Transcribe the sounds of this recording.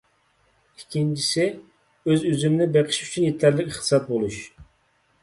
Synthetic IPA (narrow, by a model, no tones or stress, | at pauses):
ikʲʰːint͡ʃʰi̥sɪ | øzyzymɪnɪbeqʰɪ̥ʃyt͡ʃʰynjet̪ʰæɾlɪkʲiχt̪ɨsɑt̪̚bolˠuʃ